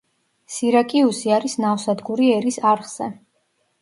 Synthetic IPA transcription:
siɾakʼiusiaɾisnawsad̪ɡuɾiɛɾisaɾχz̥ɛ̰

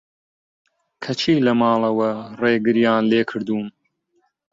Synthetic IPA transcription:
kʰɐt͡ʃʰiːlɐmɑːlˠɐwɐreːɡɨɾjaːnleːkʰɨɾd̪uːm

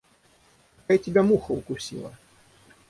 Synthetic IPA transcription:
kaitʲɪbʲamuxəʊkʊsʲḭlˠə̰

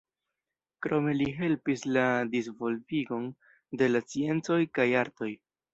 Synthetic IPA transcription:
kɾo̞me̞liɦe̞lpisladisvo̞lviɡo̞n | de̞lat͡sie̞nt͡so̞jkajaɾto̞j

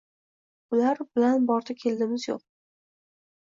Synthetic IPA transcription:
ʊlaɾbɪlanbɒɾd̪ʰakʲʰe̞ld̪ɪmɪzjo̰q̚

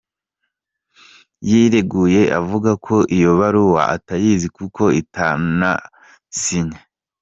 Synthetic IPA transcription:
jiɾeɡuje̞ʔavuɡakʰo̞ʔijo̞βaɾuwa̰ʔa̰tajizikukʰo̞itʰana̰ | siɲa

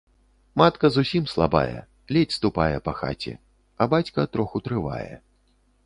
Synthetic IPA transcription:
mat̪kɐzusʲimslˠaba̰jɛ̰ | lʲet͡sʲst̪upajɛpɐxa̰t͡sʲɛ̰ | ɐbat͡sʲkɐt̪ɾɔxut̪ɾɨva̰jɛ̰

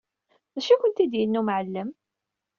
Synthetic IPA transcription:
ðæʃikʷʊnt̪id̪jənːumʕəlːəm

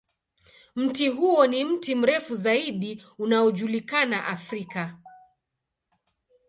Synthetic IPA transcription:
m̩tiɦuɔnim̩tim̩ɾɛfuzaiɗiunaɔʄulikanaʔafɾika

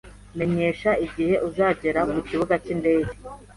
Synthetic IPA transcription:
me̞ɲe̞ːʃaiɟihe̞ʔuzaːɟeɾamuciβuɡacinde̞ːɟe

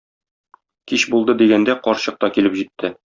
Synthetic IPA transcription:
kiɕbulˠd̪ɤd̪iɡænd̪æqɒɾɕɤ̆q̚t̪ɑkilɘpʑit̪ːɘ

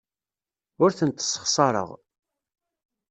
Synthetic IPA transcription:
ʊɾθənt̪ːsˤːə̥χsˤɑɾˤə̰ʁ

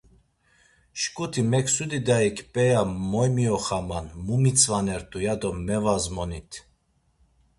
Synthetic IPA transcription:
ʃkʼut̪ʰimɛkʰsud̪id̪aikʰʼpʼɛjamɔjmiɔχamanmumit͡sʰʼvanɛɾt̪ʼujad̪ɔmɛvazmɔnit̪ʰ

